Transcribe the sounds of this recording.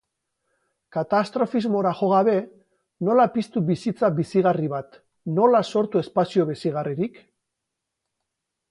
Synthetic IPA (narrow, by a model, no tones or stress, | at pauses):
kat̪ast̪ɾo̞fizmo̞ɾaxo̞ɣaβe̞ | no̞lapist̪uβisit͡sabisiɣ̞ariβat̪ | no̞laso̞ɾt̪ue̞spasio̞β̞isiɣ̞ariɾik